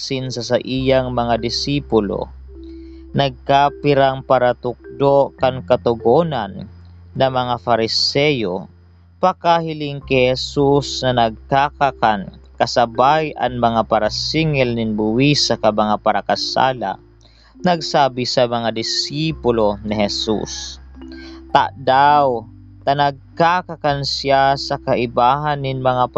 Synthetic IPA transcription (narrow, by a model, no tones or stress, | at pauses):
sɪnsɐsaʔijaŋmɐŋad̪ɪsiːpʊlo̰ | nɐɡ̚kapɪɾaŋpaɾat̪ʊk̚d̪oʔkaŋkɐt̪ʊɡoːnanː | ɐmɐŋafaɾɪsɛːjo̰ | pɐkahɪlɪŋkɛhɛsusnɐnɐɡ̚kakakankɐsɐbajʔa̰nmɐŋapaɾasiŋɛlnɪnbʊwisakɐmɐŋapaɾakasa̰ːla̰ | nɐɡ̚saːbɪsɐmɐŋad̪ɪsiːpʊlonɪɦɛsṵs | t̪a̰ʔd̪aw | t̪ɐnɐɡ̚kakakansjasɐkaʔɪbaːɦanːɪnmɐŋap